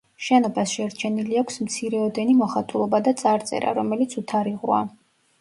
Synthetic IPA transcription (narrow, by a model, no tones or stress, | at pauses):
ʃɛnɔbasʃɛɾt͡ʃʰɛniliakʷʰsmt̪sʰiɾɛɔd̪ɛnimɔχat̪ʼulˠɔbad̪at̪sʼaɾt̪sʼɛ̰ɾa̰ɾɔmɛlit̪sʰut̪ʰaɾiʁua̰